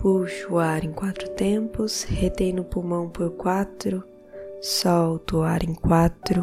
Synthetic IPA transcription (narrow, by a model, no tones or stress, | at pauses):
puʃuaɾẽŋkwat̪ɾʊt̪ẽmpʊshet̪ẽjnʊpumɐ̃w̃poɾkwat̪ɾʊ | sɔwt̪uaɾẽŋkwat̪ɾʊ